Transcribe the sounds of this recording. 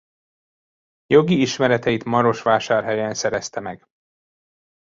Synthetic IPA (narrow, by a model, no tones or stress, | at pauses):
jo̞ɡiiʃmɛɾɛt̪ɛjit̪mɒɾo̞ʃʋaːʃaːrɦɛjɛnsɛɾɛst̪ɛmɛɡ̥